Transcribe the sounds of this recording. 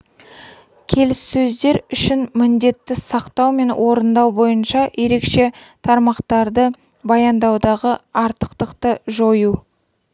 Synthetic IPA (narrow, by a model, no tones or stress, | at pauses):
kʲʰe̞lɪsːɵzd̪e̞ɾʏʃɪnmɪnd̪e̞t̪ːɪsɑqt̪ɑwme̞nwʔo̞ɾənd̪ɑwbo̞jənʃɑje̞ɾe̞kʃe̞t̪ʰɑɾmɑqt̪ɑɾd̪ə | bɑjɑnd̪ɑwd̪ɑʁəɑɾt̪ə̥qt̪əqt̪əʒo̞ju